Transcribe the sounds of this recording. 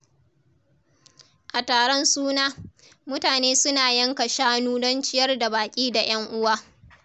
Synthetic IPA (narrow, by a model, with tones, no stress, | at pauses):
ʔa˨taː˨ɽɔ˦nsuː˦naː˦ | mʊ˦taː˨neː˦sʊ˦naː˨jɐ˦ŋka˨ʃaː˦nuː˦dɔ˦nt͡ʃɪ˦jɐ˦rda˨baː˨kʲʼiː˦da˨j̰ɐ˦ŋʔʊ˦waː˦